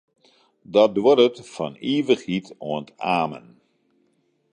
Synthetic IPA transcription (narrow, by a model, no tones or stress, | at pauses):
dɔdwoɾətfɔ̰niːvəχhitoəntaːmə̰n